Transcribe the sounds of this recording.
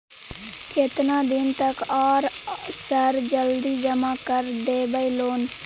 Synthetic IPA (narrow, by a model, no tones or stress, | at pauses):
kʰɪt̪nãːd̪ɪnt̪əkaːɾsəɾd͡ʒəld̪iːd͡ʒəmaːkəɾɖeːbəiːloːn